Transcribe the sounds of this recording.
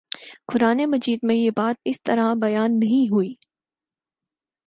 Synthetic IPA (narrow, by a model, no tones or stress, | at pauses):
kʊɾaːnemɐd͡ʒiːd̪mẽjebaːt̪̚ɪst̪ɐɾɦãbɐjaːnːɐɦĩɦuiː